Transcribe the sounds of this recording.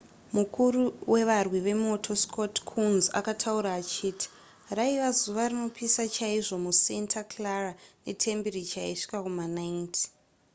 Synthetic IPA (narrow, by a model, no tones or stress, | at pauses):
mukuruwe̞ʋarwiʋe̞mo̞tʰo̞skʰo̞tkʰunza̰katʰauɾaːt͡ʃiːtʰi̥ | raiʋazuʋarino̞pisat͡ʃaiʐo̞muse̞ntʰaklarane̞̰tʰe̞mbiɾit͡ʃaiʂi̥kakumanaintʰi̥